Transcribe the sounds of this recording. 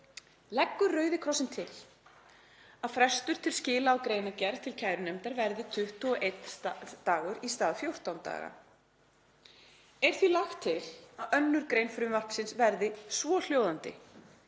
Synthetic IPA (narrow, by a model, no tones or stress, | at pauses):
lɛkːʏɾrœːɥðɪkʰɾɔsɪnt̪ʰɪl | aðfɾɛst̪ʏɾ̥t̪ʰɪlscɪːlaːwkɾejnacɛɾð̥t̪ʰɪlcʰaːjɾʏnɛmt̪aɾvɛɾðɪt̪ʰʏht̪ɔɔʔejt̪t̪aːɣʏɾist̪aːðfjowr̥t̪awnt̪a̰ːɣa̰ | ɛɾ̥θilaxt̪ʰːɪlaðœnːʏɾ̥kɾeːjnfɾʏmval̥psɪnsvɛɾðɪsvɔl̥joːwðant̪ɪ̰